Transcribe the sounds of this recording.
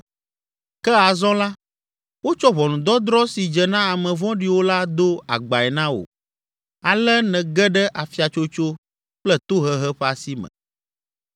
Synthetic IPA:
kɛ˦a˨zɔ̃˦la˦ | wo˦t͡ʃɔ˦βɔ˨nũ˨d̪ɔ˦d̪ɾɔ˦si˨d͡ʒɛ˨nã˦a˨mɛ̃˨vɔ̃˦ɖi˨˦wo˦la˦d̪o˦a̰˨ɡ͡ba˨ɛ˨nã˦wo̰˨ | a˨lɛ˦nɛ̃˨ɡɛ˦ɖɛ˦ʔa˨fi˦a˨t͡ʃo˦t͡ʃo˦ | k͡plɛ˦t̪o˦ɦɛ˦ɦɛ˦ɸa˨si˦mɛ̰̃˨

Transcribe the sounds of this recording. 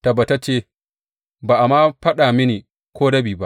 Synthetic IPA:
ta˨bɐ˨ta˦t͡ʃeː˦˨ | baː˨ʔa˨maː˦ɸɐ˦ɗaː˨mɪ˦niː˨ | kʷoː˦ɽɐ˦biː˨ba˦ʔ

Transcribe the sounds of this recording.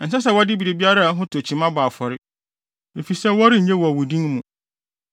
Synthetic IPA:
n̩˨sɛ˦s̬ɛ˨wɔ˦dɪ˦bi˨ɾe˨bi˦a˦ɾa˦˨˦ɦʊ̃˦tʰʊ˨æ˨t͡ɕʰi˨mã˦baː˨fɔ˨ɾɪ˦ | de˨fi˨sɛ˦wɔ˦ɾɪ˦˨ɲɛ̃˦wɔ˨a˨wʊ˨dĩ˦mũ˨

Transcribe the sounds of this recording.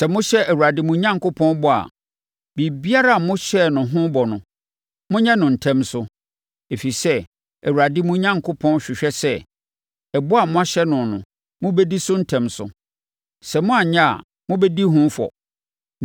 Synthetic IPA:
sɛ˨mʊ̃˦ɕɛ˦ʔæ˨wu˨ɾa˨dɪ˦mʊ̃˨˦ɲã˦ŋ˨kʰʊ˦pʰɔ̃˦nbɔ˦a̰˨ | bi˨bi˦a˦ɾa˦a˨mʊ̃˦ɕɛ˦˨nʊ̃˨ɦʊ̃˦bɔ˨nʊ̃˨ | mʊ̃˦ɲɛ̃˦nʊ̃˨n̩˨tʰɛ̃˦msʊ˦ | e˨fi˨sɛ˦ | æ˨wu˨a˨dɪ˦mʊ̃˦ɲã˦ŋ˨kʰʊ˦pʰɔ̃˦n˦ɕᶣɪ˨ɕᶣɛ˦sɛ˦ | ɛ˨bʊ˦a˨mʊ̃˦a˦ɕɛ˦nʊ̃˨nʊ̃˨ | mʊ̃˦bɛ˦di˦sʊ˦n̩˦tʰɛ̃˨msʊ̰˨ | sɛ˨mʊ̃˦a˨ɲã˦a̰˨ | mʊ̃˦bɛ˦di˦ɦʊ̃˦fɔ̰˨

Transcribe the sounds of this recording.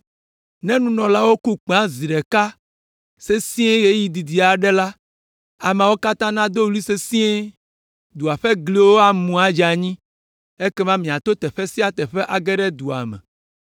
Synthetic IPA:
nɛ̃˦nũ˦nɔ̃˨la˦wo˦ku˦k͡pã˦zi˨ɖɛ˨ka˦ | se˦sĩ˦e˦ɣe˦ji˨d̪i˨d̪i˨a˨ɖɛ˦la˦ | a˨mã˨wo˦ka˦t̪ã˦nã˦d̪o˦wli˦se˦sĩ˦e˦ | d̪u˨a˨ɸe˦ɡli˦wo˦a˦mũ˨a˨d͡ʒa˨ɲĩ˦ | e˦kɛ˦mã˦mĩ˨a˨t̪o˦t̪ɛ˨ɸe˦si˦a˦t̪ɛ˨ɸɛ˦ʔa˨ɡɛ˦ɖɛ˦d̪u˨a̰˨mɛ̰̃˨

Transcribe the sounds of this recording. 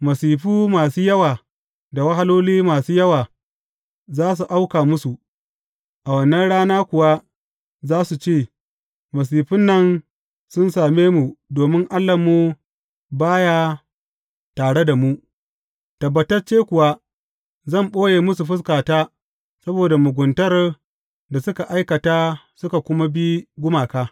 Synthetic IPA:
mɐ˨siː˨ɸuː˦maː˨suː˦jɐ˦waː˨ | da˨wɐ˦ɦa˦loː˦liː˦maː˨suː˦jɐ˦waː˨ | zaː˦s̬u˨ʔa˦wkaː˨mʊ˦su˨ | ʔa˨wɐ˦˨nːɐ˦nɽaː˦naː˦kʷʊ˨wa˦ | zaː˦su˨t͡ʃeː˦˨ | mɐ˨s̬iː˨ɸɪ˦nːɐ˦n | sʊ˦nsaː˨meː˦mu˨doː˨mɪ˦ŋʔa˦lːɐ˨mːu˦ | baː˦ja˦ | taː˨ɽe˦da˨mu˦ | tɐ˨bːɐ˨tɐ˦rt͡ʃeː˦kʷʊ˨wa˦ | zɐ˦˨mɓoː˦jeː˨mʊ˦s̬u˨ɸʊ˦s̬kaː˨taː˦ | sɐ˦boː˨da˨mʊ˨ɡʷʊ˨ntɐ˦r | da˨sʊ˦ka˨ʔa˦jkɐ˨taː˦ | sʊ˦ka˨kʷʊ˦ma˦bi˦ɡʷʊ˦maː˨kaː˦

